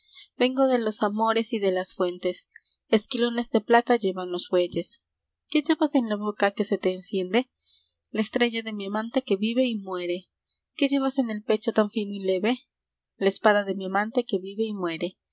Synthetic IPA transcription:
b̥e̞ŋɡo̞ðe̞lo̞samo̞ɾe̞siðe̞lasfwe̞nt̪e̞s | eskilo̞ne̞zðe̞plat̪aʝe̞βanlo̞sfwe̞ʝe̞s | ke̞ʝe̞βase̞nlaβo̞kake̞se̞t̪e̞ːnsje̞nd̪e̞ | laest̪ɾe̞ʝaðe̞miamãnt̪e̞ke̞βiβe̞imwe̞ɾe̞ | ke̞ʝe̞βase̞ne̞lpe̞t͡ʃo̞t̪aɱfinoile̞βe̞ | laespaðaðe̞miamãnt̪e̞ke̞βiβe̞imwe̞ɾe̞

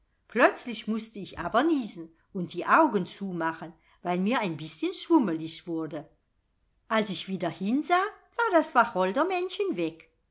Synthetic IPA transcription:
plœt͡slɪçmʊstəɪçʔa̰ːbɐniːzn̩ | ʊnt̚d̥iːʔaʊɡənt͡suːmaχən | vaɪlmiːɐaɪnbɪsçənʃv̥ʊməlɪʃv̥ʊɐdə | ʔalsɪçv̥iːdɐhɪnzaːvaːɐdasv̥aχɔldɐmɛnçənvɛk

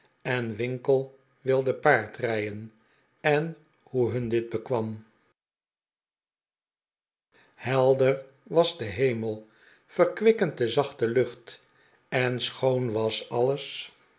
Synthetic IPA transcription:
ɛnʋɪŋkəlˠ | ʋɪlˠdəpaːɹtrɛjən | ɛn | huɦɵndɪd̚bəkʋɑm | hɛlˠdər | ʋɑzdəɦejməlˠ | fəɹkʋɪkənt̚dəzɑχtəlɵχt | ɛnsχownʋɑsɑləs

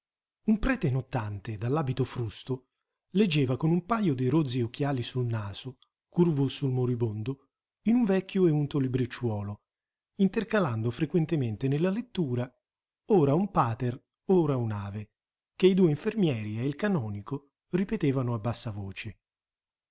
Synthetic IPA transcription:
umpɾɛːt̪enot̪ːant̪ed̪alːaːbit̪ofɾust̪o | led͡ʒːeːvakonumpajod̪iɾod̪zːiokːjaːlisulnaːz̥o | kurvosulmoɾibond̪o | inuɱvɛkʲːjoeunt̪olibɾit͡ʃːwɔːlo | int̪erkaland̪ofɾekwent̪ement̪enelːalet̪ːuːɾa | oːɾaumpaːt̪er | oːɾaunaːve | k̟eid̪uːeiɱfermjɛːɾieilkanɔːniko | ripet̪eːvanoabːasːavoːt͡ʃe

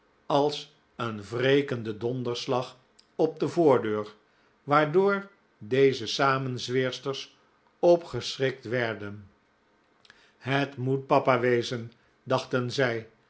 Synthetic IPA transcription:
ɑlˠs | ənvrejkəndədɔndəɹslɑχ | ɔb̚dəvʊːɹdøːɹ | ʋaːɹdʊːɹ | dejzəsaːmənzʋɪːɹstəɹs | ɔpχəsrɪk̚tʋɛɹdən | ɦətmut̚pɑpaːʋejzən | dɑχtənzɛj

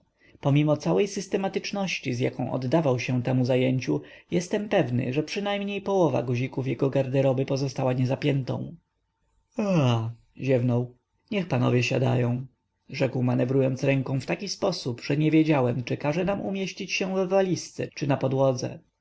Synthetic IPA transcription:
pɔmʲimɔt̪sawɛjsɘst̪ɛmat̪ɘt͡ʂnɔɕt͡ɕizja̰kɔ̃w̃ʔɔ̰d̪ːavawɕɛ̃t̪ɛmuzajeɲt͡ɕujɛst̪ɛmpɛvnɘ̰ʐɛpʂɘnajmɲejpɔwɔva̰ɡuʑikufjɛɡɔɡaɾd̪ɛɾɔbɘpɔzɔst̪awaɲɛzapʲjɛnt̪ɔ̰̃w̃ | a | ʑɛvnɔw | ɲɛxpanɔ̰vʲjɛɕa̰d̪a̰jɔ̃w̃ | ʐɛkwmanɛvɾujɔnt̪sɾɛŋkɔ̃w̃ft̪akʲispɔsupʐɛɲɛvʲjed͡ʑawɛmt͡ʂɘkaʐɛnamʔṵmʲjeɕt͡ɕit͡ɕɕɛ̃vvalʲist̪sɛ̰t͡ʂɘnapɔd̪wɔd̪zɛ̰

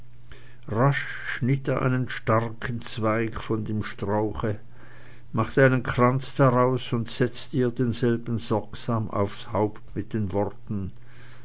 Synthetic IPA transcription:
ʁaʃ | ʃnɪteːɐʔa̰ɪnənʃtaʁkʰn̩t͡sv̥aɪkfɔndeːmʃtʁ̥aʊxə | maχtaɪnənkʁ̥ant͡sd̥aʁaʊsʊntz̥ɛt͡stiːɐdeːnzɛlbn̩zɔɐkz̥aːma̰ʊfshaʊptmɪt̚d̥eːnvɔʁtn̩

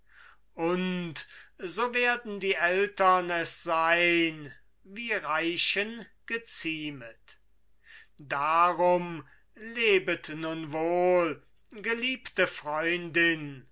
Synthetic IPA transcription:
ʔʊntzoːveːɐdn̩diːʔɛltɐnɛsz̥aɪn | viːʁaɪʃənɡ̥ət͡siːmət | daʁʊm | leːbətnʊnvoːl | ɡəliːptəfʁɔʏndɪn

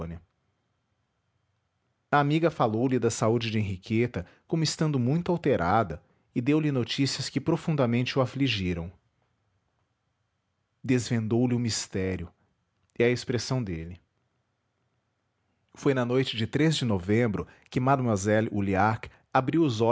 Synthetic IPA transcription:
nɐ | ɐamiɡɐfalowlɪd̪ɐsaud͡ʒɪd͡ʒɪẽɦikʰet̪ɐ | kõmʊɪst̪ɐ̃nd̪ʊmũj̃t̪ʊawt̪eɾʔad̪ɐ | ɪd̪ewlɪnot͡ʃisiɐskɪpɾofũnd̪ɐmẽnt͡ʃɪʊafliʒiɾɐ̃w̃ | d̪ezvẽnd̪owlɪʊmist̪ɛɾjʊ | ɪɐespɾesɐ̃w̃d̪elɪ | fojnɐnojt͡ʃɪd͡ʒɪt̪ɾezd͡ʒɪnovẽbɾʊkɪmad̪mazɛlṵliak | abɾiwʊzɔ

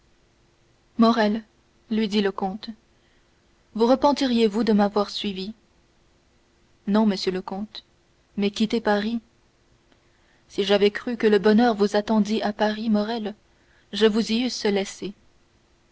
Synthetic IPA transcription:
mɔʁɛl | lɥid̪iləkɔ̃t̪ | vuʁəpɑ̃t̪iʁjevud̪əmavwaʁsɥivi | nɔ̃məsjøləkɔ̃t̪ | mɛkʲit̪epaʁi | siʒavɛkχykələbɔnœʁvuzat̪ɑ̃d̪iʔapaʁimɔʁɛl | ʒəvuziysəlɛse

